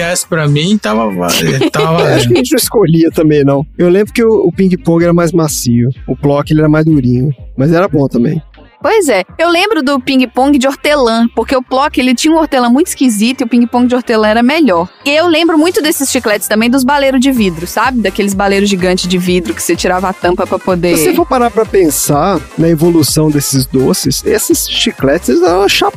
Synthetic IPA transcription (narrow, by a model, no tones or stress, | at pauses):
aspɾɐmĩt̪avɐva̰lt̪aaʃɐʒẽt͡ʃɪnɐ̃w̃ɪskoʎiɐt̪ɐ̃mbẽj̃nɐ̃w̃ewlẽmbɾʊkɪʊʊpĩɡipõɡɪɛɾɐmajzmasiʊʊplɔkɪelɪɛɾɐmazd̪uɾĩɲʊmɐzɛɾɐbõt̪ɐ̃mbḛ̃j̃ | pojzɛewlẽmbɾʊd̪ʊpĩŋɡɪpõɡɪd͡ʒɪoɾt̪elɐ̃poɾkeʊplɔkɪelɪt͡ʃĩɲɐũoɾt̪elɐ̃mũj̃t̪ɪ̥skizit̪ʊiʊpĩɡipõɡɪd͡ʒoɾt̪elɐ̃ɛɾɐmeʎɔɾɪewlẽmbɾʊmũj̃t̪ʊd̪esɪsʃiklɛt͡ʃɪ̥st̪ɐ̃mbẽj̃d̪ʊzbalejɾʊzd͡ʒɪvid̪ɾʊsabɪd̪ɐkelɪzbalejɾʊzʒiɡɐ̃nt͡ʃɪzd͡ʒɪvid̪ɾʊkɪ̥set͡ʃiɾavɐat̪ɐ̃mpɐpɾɐpod̪evosefojpaɾapɾɐpẽsanɐevolusɐ̃w̃d̪esɪzd̪osɪsesɪsʃiklɛt͡ʃɪselɪzãʃap